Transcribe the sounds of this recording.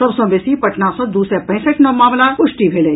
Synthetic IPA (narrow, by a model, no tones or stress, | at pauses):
sɐbsõbesipɐʈnasõd̪uːsɾepɛ̃ɦːsəʈnomaːmlaʊʃʈibʱele